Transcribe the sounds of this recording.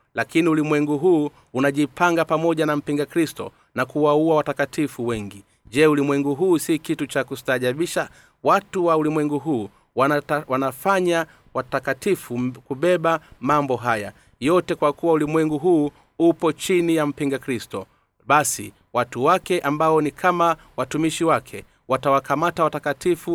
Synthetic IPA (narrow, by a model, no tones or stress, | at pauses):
lakiniulimwɛŋɡuɦuː | naʄipaŋɡapamɔʄanam̩piŋɡakɾistɔ̰ | nakuwauawatakatifuwɛŋɡi | d͡ʒɛulimwɛŋɡuɦuːsikitut͡ʃakustaʄaɓiʃa | watuwaulimwɛŋɡuɦuː | awanafaɲa | watakatifukuɓɛɓamambɔɦaja̰ | jɔtɛkwakuwaulimwɛŋɡuɦuː | upɔt͡ʃinijam̩piŋɡakɾistɔ̰ | ɓasḭ | watuwakɛʔambaɔnikʰama | watumiʃiwakʰɛ | watawakamatawatakatifu